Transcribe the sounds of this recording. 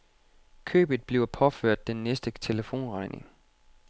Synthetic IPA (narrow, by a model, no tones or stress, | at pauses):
kʰø̰ːb̥ð̩ˠb̥le̝ʊpʰɒ̽føɐ̰d̥ːenːesd̥ət͡sʰe̝ləfo̝̰ːnʁɑ̈ɪne̝ŋ